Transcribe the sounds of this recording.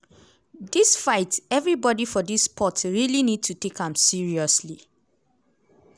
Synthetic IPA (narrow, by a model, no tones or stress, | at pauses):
disfaɪtɛvɹibɔdifɔdispʰɔtɹilinid̚tʰutekãmsiɹiɔsli